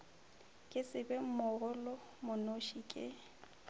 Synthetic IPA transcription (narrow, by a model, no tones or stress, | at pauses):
kʼɪsɪbɛm̩mʊɣʊlʊ | mʊnoʃikʼɪ̰